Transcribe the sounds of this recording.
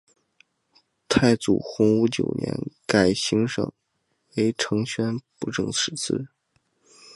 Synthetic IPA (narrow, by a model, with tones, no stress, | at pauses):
t̪ʰa˥˩ɪt͡sṵ˨˩xʊ˧˥ŋu˧˥t͡ɕjo̰˨˩ʊnjɛ̰˧˥nka˨˩ɪɕi˧˥ŋʂɤ̰˨˩˦ŋ | we˧˥ɪʈ͡ʂʰɤ˧˥ŋɕɥɛ˥npu˥˩ʈ͡ʂɤ˥˩ŋt͡s̩ʰ˧˥t͡sʰɹ̩˥˩